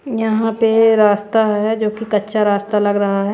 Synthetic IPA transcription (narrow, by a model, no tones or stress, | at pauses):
jɐɦãpeɾaːst̪aɦɛd͡ʒoːkikɐtːʃʰaɾaːst̪alɐɡɾɐɦaɦɛː